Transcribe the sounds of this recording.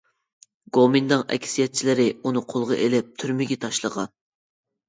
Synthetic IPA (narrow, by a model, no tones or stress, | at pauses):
ɡomind̪ɨŋʔɛ̰kʲʰsijɛt̪̚t͡ʃʰilɪɾɪunɨqʰolˠʁɑʔelɪp̚t̪ʰyɾmɪɡʲɛt̪ʰɑʃlˠəʁɑn